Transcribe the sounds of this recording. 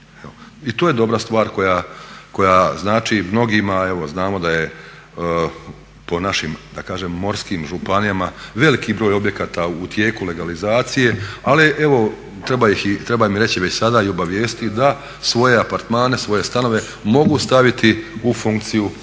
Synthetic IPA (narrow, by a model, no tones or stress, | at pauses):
eoit̪oːje̞d̪o̞bɾast̪ʋaːɾko̞jako̞jaznaːt͡ʃimno̞ɡimae̞ʋo̞znaːmo̞d̪aje | po̞naʃimd̪akaːʒemːo̞ɾskiːmʒupanijamaʋe̞likibɾo̞ːjo̞bje̞kaːt̪aut̪je̞ːkule̞ɡalizaːt̪sije̞aliʔeʋo̞ | t̪ɾe̞bajixit̪ɾe̞bamiɾe̞t͡ɕiʋe̞t͡ɕsad̪aːio̞baʋje̞ːst̪it̪id̪a | sʋo̞je̞apaɾt̪maːne̞sʋo̞je̞st̪ano̞ʋe̞ | mo̞ɡust̪aʋit̪iufuŋkt̪siju